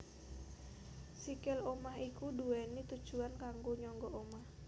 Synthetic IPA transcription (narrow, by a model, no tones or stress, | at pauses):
sikɪlomaɦikuduɛnit̪ud̥ʒ̥uankaŋɡoɲɔŋɡɔʔomah